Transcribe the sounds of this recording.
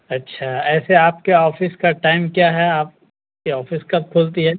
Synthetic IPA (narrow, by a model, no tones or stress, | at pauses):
ɐtːʃʰaɛːseaːp̚keɔːfɪskaʈaːɪmkjaɦɛaːp̚ | keɔːfɪskɐb̚kʰoːlt̪iɦɛː